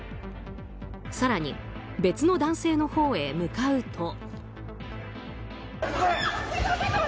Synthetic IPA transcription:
saɾaɲ̟ḭ | be̞t͡sɨno̞d̪ãɰ̃se̞ːno̞ho̞ːe̞mɯ̟kaɯ̟t̪ʰo̞

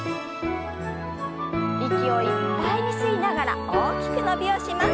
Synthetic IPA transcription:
ikʲio̞ipːaiɲisɨɡʲinaɡaɾa̰oːkʲi̥kɯ̟no̞bʲio̞ɕimas

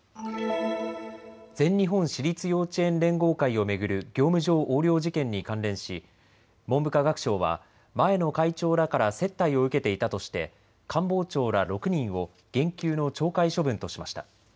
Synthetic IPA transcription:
d͡zẽ̞ɲːiɦõ̞ɰ̃ɕiɾʲit͡sɨjo̞ːt͡ɕiẽ̞nɾẽ̞ŋɡo̞ːkaio̞me̞ɡɯ̟ɾɯ̟ɡʲo̞ːmɯ̟ʑo̞ːʔoːɾʲjo̞ːʑikẽ̞ɲ̟ːikãnɾẽ̞ɰ̃ɕi | mo̞mbɯ̟kaɡakɯ̟̥ɕo̞ːβa̰ | mae̞no̞kait͡ɕo̞ːɾakaɾase̞t̪ːaio̞ɯ̟ke̞t̪e̞it̪at̪o̞ɕi̥t̪e̞̰ | kʰãmbo̞ːt͡ɕo̞ːɾaɾo̞kɯ̟ɲ̟ĩɰ̃o̞ | ɡ̥ẽ̞ŋkʲɨːno̞t͡ɕo̞ːkaiɕo̞bɯ̟̃nt̪o̞ɕimaɕi̥t̪a

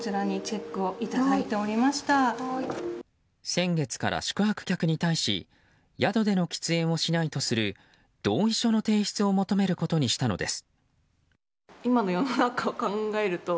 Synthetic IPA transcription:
t͡ɕiɾaɲ̟it͡ɕe̞kːɯ̟o̞it̪ad̪ait̪e̞o̞ɾʲimaɕi̥t̪a | sẽ̞ŋɡe̞t͡sɨ̥ka̰ɾʔa̰ɕi̥kɯ̟ɦakɯ̟̥kʲakɯ̟ɲ̟it̪aiɕḭ | jad̪o̞d̪e̞no̞kʲi̥t͡sɨẽ̞ɰ̃o̞ɕinait̪o̞sɨɾɯ̟ | d̪̥o̞ːiɕo̞no̞t̪e̞ːɕi̥t͡sɨo̞mo̞t̪o̞me̞ɾɯ̟ko̞t̪o̞ɲ̟iɕi̥t̪ano̞̰d̪e̞sɨ̥ | imano̞jo̞nonakaokãŋɡae̞ɾɯ̟t̪o̞

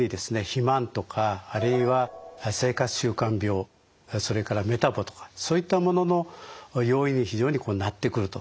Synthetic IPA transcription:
ɲid̪e̞sɨne̞çimãnt̪o̞kʰaːɾɯ̟iβase̞ːkat͡sɨ̥ɕɨːkãmbʲjo̞ː | so̞ɾe̞kaɾame̞t̪abo̞t̪o̞̥kḁso̞ːit̪ːamo̞no̞no̞jo̞ːiɲ̟içiʑo̞ːɲ̟iko̞ːnat̪ːe̞kɯ̟ɾɯ̟t̪o̞

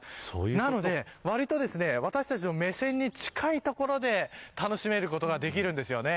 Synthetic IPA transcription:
so̰ːjnano̞d̪e̞βaɾʲit̪o̞d̪e̞sɨne̞βat̪aɕi̥t̪at͡ɕimo̞me̞sẽ̞ɲ̟ːit͡ɕi̥kʰait̪o̞ko̞ɾo̞d̪e̞t̪ano̞ɕime̞ɾɯ̟ko̞t̪o̞ɡad̪e̞kʲiɾɯ̟̃nd̪esɨjo̞ne̞

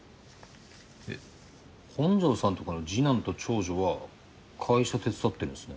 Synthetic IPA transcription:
ḛ | hõ̞ɲ̟d͡ʑo̞ːsãnt̪o̞kano̞d͡ʑinãnt̪o̞t͡ɕo̞ːʑo̞βa | kʰaiɕat̪e̞t͡sɨ̥sat̪ːe̞ɾɯ̃nesɨ̥ne̞

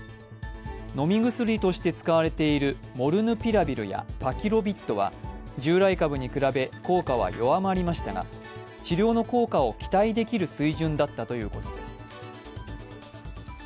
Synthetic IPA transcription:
no̞mʲiɡɯ̟sɨɾʲit̪o̞ɕi̥t̪e̞t͡sɨ̥kaβ̞aɾe̞t̪e̞iɾɯ̟mo̞ɾɯ̟nɯ̟pʲiɾabʲiɾɯ̟̰ja̰pakʲiɾo̞bʲit̪ːo̞β̞a̰d͡ʑɨːɾaikabɯ̟ɲ̟ikɯ̟ɾabe̞ko̞ːkaβ̞a̰jo̞amaɾʲimaɕi̥t̪aɡa̰ | t͡ɕiɾʲo̞ːno̞ko̞ːkao̞kʲi̥t̪aid̪e̞kʲiɾɯ̟sɨiʑɨ̃nd̪at̪ːat̪o̞jɯ̟ːko̞t̪o̞d̪e̞sɨ̥

